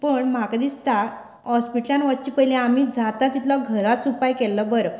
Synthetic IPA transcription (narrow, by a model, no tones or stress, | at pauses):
pəɳm̤akad̪ist̪a | hɔspiʈljãnʋət̪̚t͡ɕipəɦilẽam̤iːd͡zʱat̪at̪it̪lɔɡʱəɾatsupajkɛlːəbəɾə